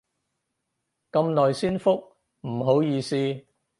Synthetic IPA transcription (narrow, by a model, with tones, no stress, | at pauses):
kɐ˧mnɔː˨jsiː˥nfʊ˥k̚ | m̩˨˩ɦo˨˥wjiː˨˧siː˥˧